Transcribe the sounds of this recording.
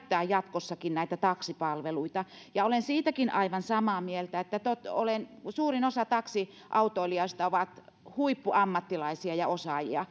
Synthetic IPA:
t̪ːæːjjɑt̪kosːɑkinnæˑit̪æt̪ɑksipɑlʋeluit̪ɑjɑolensiːt̪ækinʔɑiʋɑnsɑmɑːmielt̪æet̪ːæt̪ot̪o̰lensuːrinosɑt̪ɑksi | ʔɑut̪oiliɑst̪ɑoʋɑt̪ | huipːuɑmːɑt̪ːilɑisiɑjɑosɑˑjḭɑ

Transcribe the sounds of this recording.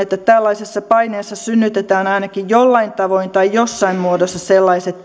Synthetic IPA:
et̪ːæt̪ælːɑisesːɑpɑineːsːɑsynːyt̪et̪æːnɑinɑkijjolːɑint̪ɑʋoint̪ɑijjosːɑimmuodosːɑselːɑiset̪

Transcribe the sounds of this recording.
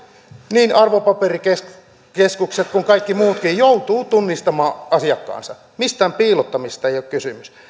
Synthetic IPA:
niːnɑrʋopɑperike | keskukset̪kuŋkɑikːimuːt̪kijjout̪uːt̪unːist̪ɑmɑːɑsiɑkːɑ̰ːnsɑ | mist̪æːmpiːlot̪ːɑmist̪ɑeijokkysymys

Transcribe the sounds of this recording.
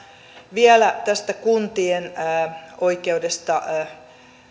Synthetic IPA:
ʋiælæt̪æst̪ækunt̪ienː | oikeudest̪ɑ

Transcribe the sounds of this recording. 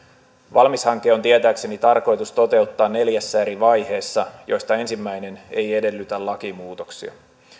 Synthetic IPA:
ʋɑlmishɑŋkˑːeːot̪iet̪æːkse̞nit̪ɑrko̞jt̪ust̪o̞t̪e̞ut̪ːɑːnnːe̞ljæsːæeɾiʋɑjhe̞ːsːɑjo̞jst̪ɑe̞nsimːæjne̞ne̞je̞de̞lːyt̪ælɑkimuːt̪oksiɑ̰

